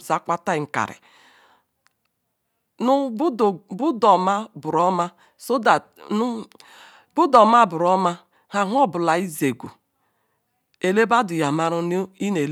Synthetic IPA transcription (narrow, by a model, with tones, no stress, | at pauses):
za˦ka˦ta˦˨ŋ̩˨ka̰˨ɾɪ̰˨ | n˦bbu˦dɔ˨ma˦bʊ˨ɾɔ˦ma˦ | so˦da˨ | n˦ | bu˦dɔ˨ma˦bʊ˨ɾɔ˦ma˦ | ha˨ɦɔ˦bʊ˨la˨i˦ze˨ɡʷṵ˨ | e˨le˦ba˦dʊ˨ja˨ma˦ɾu˦n˦i˦ne˨l